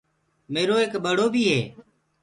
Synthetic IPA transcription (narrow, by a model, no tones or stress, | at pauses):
meːɾoːeːkbɓəɽoːbʱiːɦeː